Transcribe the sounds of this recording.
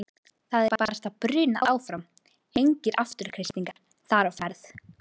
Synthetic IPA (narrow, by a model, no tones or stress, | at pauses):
θaðɛpapaːɾst̪apɾʏːnaʔaːwfɾam | ejɲcɪɾʔaft̪ʏɾ̥kʰɾɪst̪niŋkaɾ̥ | θaɾawfɛɾθ